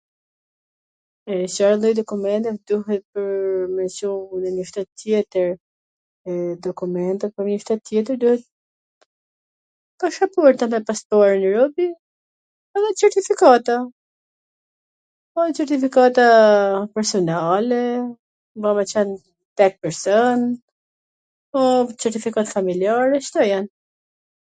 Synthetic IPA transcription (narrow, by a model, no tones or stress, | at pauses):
ɛsaɾlˠɔjd̪ɔkumɛnt̪ɛvd̪uɦɛt̪̚pəɾmɛnsumnɛɲəʃt̪ɛt̪t̪ːjɛt̪əɾ | ɛd̪ɔkumɛnt̪ɛt̪̚pɔɲəʃt̪ɛt̪ːjɛt̪̬əɾd̪uhɛt̪̚ | paʃapuɛɾt̪amɛpaspɔaɾnəɾɔbi | aðɛt͡sɛɾt̪ifikat̪a | ɔt͡sɛɾt̪ifikat̪apɛɾsɔnalɛ | vamɛt͡ʃɛn | t̪ɛk̚pɛɾsɔn | ɔt͡sɛɾt̪ifikat̪familiaɾɛʃt̪ɔjan